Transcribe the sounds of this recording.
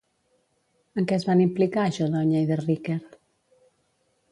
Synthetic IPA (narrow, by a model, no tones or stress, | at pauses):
əŋkɛzβanimplikaəʃɔðɔɲəiðerikeɾ